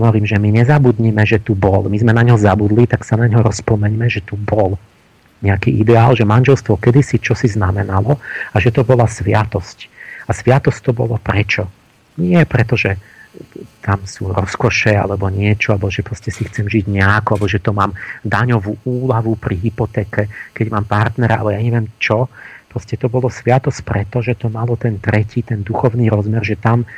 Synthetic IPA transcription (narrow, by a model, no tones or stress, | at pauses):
ɦɔʋɔɾiːmʒɛmiɲɛzabud̪ɲimɛʒɛt̪ubɔlmizmɛnaɲɦɔzabud̪lit̪aksanaɲɦɔɾɔspɔmɛɲmɛʒɛt̪ubɔl | ɲɛakḭʔid̪ɛaːlʒɛmanʒɛlst̪ʋɔkɛd̪isit͡ʃɔsiznamɛnalɔaʒɛt̪ɔbɔlasʋɪat̪ɔscasʋɪat̪ɔsct̪ɔbɔ̰lɔpɾɛt͡ʃɔ | ɲɪɛpɾɛt̪ɔʒɛ | t̪amsuɾɔskɔʃɛa̰lɛbɔɲɪɛt͡ʃɔalbɔʒɛpɾɔscɛsixt͡sɛmʒiɟɲɛakɔalbɔʒɛt̪ɔmaːmd̪aɲɔʋuːuːlaʋupɾiɦipɔt̪ɛːkɛkɛɟmaːmpaɾt̪nɛɾaʔa̰lɛjaɲɛʋɪɛmt͡ʃɔpɾɔscɛt̪ɔbɔlɔsʋɪat̪ɔsc̚pɾɛt̪ɔʒɛt̪ɔmalɔt̪ɛnt̪ɾɛciːt̪ɛnd̪uxɔʊniːɾɔzmɛrʒɛt̪am